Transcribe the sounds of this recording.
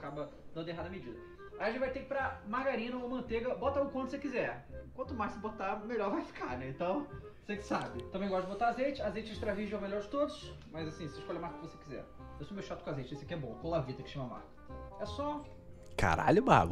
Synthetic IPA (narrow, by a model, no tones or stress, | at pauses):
kabɐ | d̪ɐ̃nd̪eɦad̪ɐmed͡ʒid̪ɐ | ajɐʒẽt͡ʃvajt̪ekɪpɾɐmahɡaɾĩnɐoɐmɐ̃nt̪eɡɐbɔt̪ɐukwɐ̃t̪ʊ̥sekizɛɾkwɐ̃nt̪ʊmajsebot̪amelɔɾvajfi̥kanɛẽnt̪ɐ̃w̃ | sekɪ̥sabɪt̪ɐ̃mbẽj̃ɡɔʃɐd͡ʒɪbot̪aazejt͡ʃɪazejt͡ʃɪɪʃt̪ɾaviʒʊɛmelʎɔɾd͡ʒɪt̪od̪ʊʃmɐzasĩseiʃkɔlʎɐmaɾkɐkɪvosekizɛ̰ɾ | ewsomewʃat̪ʊ̥kõazejt͡ʃɪesɪɐkiɛbõɐkõlavit̪ɐkɪ̥ʃẽmɐma̰ɾkɐ̥ɛsɔ | ka̰ɾa̰ʎʊba̰ɡʊ